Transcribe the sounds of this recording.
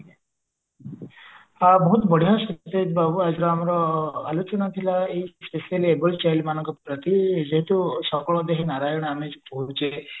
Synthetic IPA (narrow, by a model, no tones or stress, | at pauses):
abɔɦut̪bəɽ̤ʱijaset̪et̪babuad͡ʒɾɔamɔɾɔalut͡ʃɔnat̪ʰilaeispeselebəlt͡ʃajlmanɔ̃ŋkɔpɾət̪id͡ʒeɦit̪usɔkɔɭɔd̪eɦenaɾajɔɳ̃amed͡ʒbɔɦut͡ʃe